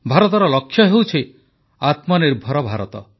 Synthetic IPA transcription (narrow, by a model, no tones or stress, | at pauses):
bʱaɾɔt̪ɔɾɔlɔkʰːjɔɦewt͡ʃʰe | at̪mɔneɾbʱɔɾɔbʱaɾɔ̰t̪ɔ̰